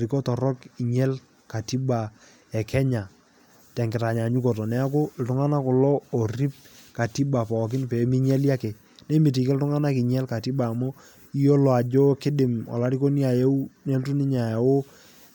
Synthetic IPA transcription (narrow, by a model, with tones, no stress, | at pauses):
ɾi˨kɔ˦tɔ˨ɾɔ˦ki˨ɲɛ˦l | ka˨ti˦ba˨ | ɛ˨kʰɛ˦ɲa˨ | tɛ˨ŋɡɪ˨ta˨ɲa˨ɲu˦kɔ˨tɔ˨nɛ˨˦a˦k̬ʊ˦˨l̩˨tʊ˦ŋa˦na˦kʊ˨lɔ˦o˨ri˦p̚ka˨ti˦ba˨pɔ˨k̬ɪ˦npe˨˦mi˦ɲɛ˦lja˦kɛ˨ | nɛ˦mɪ˨t̬i˨kɪ˦ltʊ˦ŋa˦na˦kɪ˨ɲɛ˦lka˨ti˦ba˨mo˦ | i˦jo˦lɔ˨a˨d͡ʒɔ˦kɪ˦dɪ˨mɔ̰˨la˦ɾi˦ko˦ni˦a˨je˦u˦ne˦ltu˦nɪ˦ɲa˨ja˨wo˦